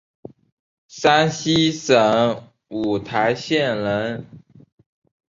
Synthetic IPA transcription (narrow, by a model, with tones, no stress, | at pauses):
sa˥nɕi˥ʂə˨˩˦ŋ | u˨˩t̪ʰa˧˥ɪɕjɛ˥˩nlə˧˥n